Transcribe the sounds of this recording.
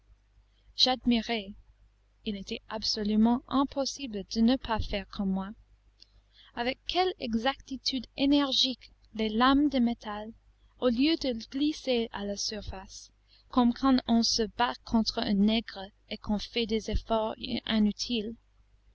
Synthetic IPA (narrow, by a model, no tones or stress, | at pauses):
ʒ̥ad̪miʁe | ilet̪ʰɛʔabsɔlymɑ̃ʔɛ̃pʰɔsibləd̪̥ənəpʰafɛʁkʰɔ̃mːwa | avɛkʰːɛlɛ̰ɡzakt̪it̪ʰyd̪enɛʁʒik | lelamd̪əmet̪ʰal | oljød̪əɡ̥lisealasyʁfas | kɔ̃mkʰɑ̃ɔ̃səbakʰːɔ̃t̪χəə̃nɛɡʁə | ekʰɔ̃fɛd̪ezefɔʁɛ̃nyt̪ʰil